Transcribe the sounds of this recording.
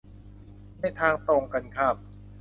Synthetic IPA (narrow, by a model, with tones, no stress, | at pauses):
ma˥˩jt̪ʰaː˧ŋt̪oː˧ŋka˧nkʰa˥˩p̚